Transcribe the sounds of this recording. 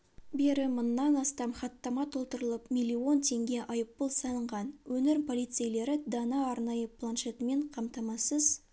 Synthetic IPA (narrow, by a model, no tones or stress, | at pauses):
be̞ɾɪmʊnːɑnɑst̪ɑmχɑt̪ːɑmɑt̪ʰo̞lˠt̪əɾəlˠəpmʲijlʲːio̞nt̪ʰe̞ŋɡʲe̞ʔɑjəpːəlˠsɑnəɴʁɑnwɵnɪɾpʰo̞lʲˠijt̪sejle̞ɾɪd̪ɑnɑːɾnɑjəpʰlˠanʃe̞t̪əme̞ɴqʰɑmt̪ɑmɑsəz̥